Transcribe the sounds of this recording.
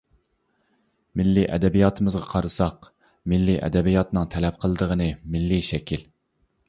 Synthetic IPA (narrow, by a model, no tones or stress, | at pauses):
mɪlːiʔɛ̰d̪ɛbijɑːt̪ʰɨmɨzʁɑqʰɑɾɨsɑq | mɪlːiʔɛ̰d̪ɛbijɑt̪nɨŋt̪ʰɛlɛp̚qʰəlˠɨd̪əʁənɨmɪlːiʃɛkʲʰil